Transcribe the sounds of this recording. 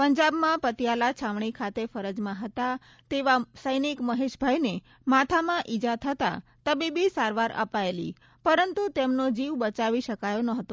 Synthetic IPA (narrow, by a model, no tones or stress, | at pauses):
pəɲd͡ʒabmãpət̪jalat͡ʃʰamɳikʰat̪efəɾəd͡ʒmãɦət̪a | t̪eʋasəjnikməɦeʃbʱajne | mat̪ʰamãʔid͡ʒat̪ʰət̪a̰t̪əbibisaɾʋaɾə̰paelḭ | pəɾənt̪ut̪emnod͡ʒiʋbət͡ʃaʋiʃəkajonəɦət̪o